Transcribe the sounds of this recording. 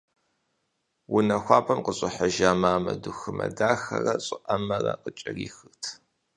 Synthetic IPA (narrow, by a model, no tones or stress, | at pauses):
wʊnɐxʷɑːpʰʼɐmqəɕʼɪħəʒaːmaːmɐduxɨmɐ̰daːxɐ̰rɐɕʼɪʔɐmɐrɐqət͡ʃʼɐriːxɨrtʰ